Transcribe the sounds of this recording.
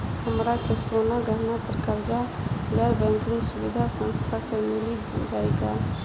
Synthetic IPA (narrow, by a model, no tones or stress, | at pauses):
həmɾakesoːnaɡəɦnapəɾkəɾd͡ʒa | ɡɛːɾbɛ̃ːŋkɪ̃ŋɡsʊbid̪ʱasə̃ñst̪ʰasemɪli | d͡ʒaːeɡaː